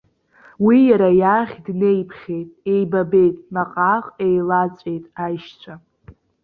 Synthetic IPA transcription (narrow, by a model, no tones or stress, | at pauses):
wijaɾajaχʲdne̞jpʰχʲe̞jtʼe̞jbabe̞jtʼmaqʼaqʼejlat͡sʷʼe̞jtʼajʃt͡ɕʷʰa